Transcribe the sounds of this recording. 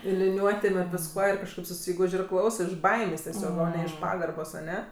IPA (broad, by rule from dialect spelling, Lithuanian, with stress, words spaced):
ɪr lʲɪˈnʲuɔtʲeːm ɪr ʋʲɪsˈkuɔ ɪr kɐʃˈkɐɪp sʊˈsʲiːɡʊʃʲ ɪr ˈklˠɐʊsɜ ɪʃ ˈbɐɪmʲeːsʲ tʲɛˈsʲoːk oː nʲɛ ɪʃ ˈpɑːɡɐrboːs ɐˈnʲɛ